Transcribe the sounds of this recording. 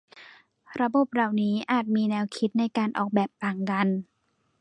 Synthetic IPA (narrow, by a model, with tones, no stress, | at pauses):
ɾa˧bo˨˩p̚ɾa˨˩wniː˦˥ʔaː˨˩t̪̚miː˧nɛː˧wkʰi˦˥t̪̚na˧jkaː˧nʔɔː˨˩k̚bɛː˨˩p̚ːaː˨˩ŋka˧n